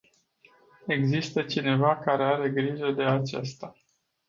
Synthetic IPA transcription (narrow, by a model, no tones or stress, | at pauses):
e̞ɡzist̪ət͡ʃine̞vakaɾe̞aɾe̞ɡɾiʒəd̪e̞at͡ʃḛst̪a